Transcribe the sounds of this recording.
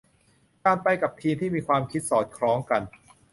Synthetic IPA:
kaː˧npa˧jka˨˩p̚t̪ʰiː˧mnt̪ʰiː˥˩miː˧kʰwaː˧mkʰi˦˥t̪̚sɔː˨˩t̪̚kʰɾɔː˦˥ŋka˧n

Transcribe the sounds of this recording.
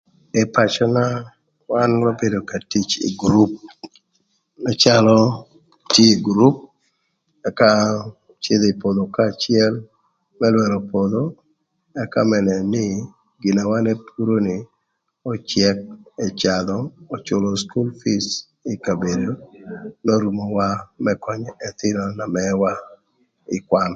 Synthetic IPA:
ɛpa˨t͡ʃɔ˦na˦ | wanma˦be˨do˨ka˨ti˦t͡ʃḭ˨ɡɾu˦p̚ | ɛ˦t͡ʃalɔ | tje˦iɡɾu˦p̚ | ɛ˨ka | t͡ʃe˦d̪e˨i˨po˨d̪o˨ka˨t͡ʃɪɛ˦l | mɛlwɛ˨ɾɔ˨pod̪o | ɛ˦ka̰˦mɛ˨nɛ˨nɪ˦ | ɡɪ˨na˨wa˦nɛ˦pʰu˦ɾo˦nɪ˨ | ɔ˨t͡ʃjɛ˦k̚ɛ˨t͡ʃa˨d̪ɔo˨t͡ʃʊ˨lɔ˨sku˦lfi˦s | i˨ka˨be˨do˦no˦ɾu˨mo˨wa˦mɛkɔ˦ɲɛ˨t̪ɪ˦nɔ˨na˨mɛwa˦ | ɪ̰˨kwa˦nɔ

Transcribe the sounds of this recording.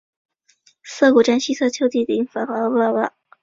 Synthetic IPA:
sɤ˥˩ku˨˩ʈ͡ʂa˥nɕi˥t͡sʰɤ˥˩t͡ɕʰjo˥ʊt̪i˥˩t̪ə˨i˧˥ŋfa˨˩xɤ˧˥˧a˥˧˩wa˥˩

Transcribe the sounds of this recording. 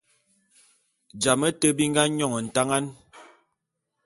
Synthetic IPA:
d͡ʒa˨mə˦tə˦bi˦ŋ˦ɡa˦ɲɔ˦˨ŋɔ˨n̩˨ta˦ŋa˦n

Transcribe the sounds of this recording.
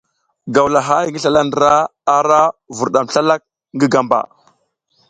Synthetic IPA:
ɡa˨wla˨ɦa˦jŋɡi˦ɬa˨la˦ndə˨ɾa˦a˨ɾa˦vu˨ɾɗa˨m˨ɬa˦la˦k̚ | ŋɡə˦ɡa˨mba̰˨

